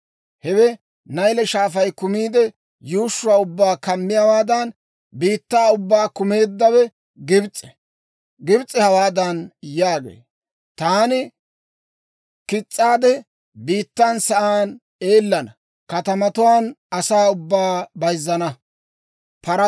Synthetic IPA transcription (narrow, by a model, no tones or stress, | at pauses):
hɛwɛ | nɐjlɛʃaːfɐjkʊmiːd̪ɛ | juːʃːʊwaːʊbːaːkɐmːɪjawaːd̪ɐn | biːt̪ːaːʊbːaːkʊme̞ːd̪ːɐwɛ | ɡɪbt͡sʼɛ̥ | ɡɪbt͡sʼːɛhɐwaːd̪ɐnjaːɡḛː | t̪aːnɪ | kɪt͡sʼːaːd̪ɛ | biːt̪ːaːnsɐʔaːn | eːlːɐnɐ | kɐt̪ɐmɐt̪ʊwaːnʔɐsaːʊbːaːbɐjzːɐnɐ | pɐɾɐ